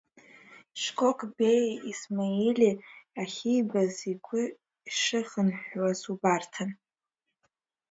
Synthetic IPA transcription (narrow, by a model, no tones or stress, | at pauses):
ʂkʼokʼbejismajelʲiaχʲijbaziɡʷʰʼʊ | iʂɨχənħʷwasubartʰan